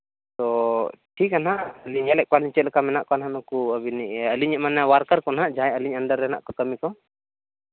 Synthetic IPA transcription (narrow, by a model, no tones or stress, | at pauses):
t̪ɔʈʰikanɦaəliɲɛlɛʔ̚kaliɲt͡ʃɛt̪lkamɛnaʔkɔanɦanɔkuəbinɛəliɲɛʔmanːawaɾkaɾkɔnɦaʔd͡ʒaɛəliɲənɖəɾːɛna̰ʔkɔkəmikɔ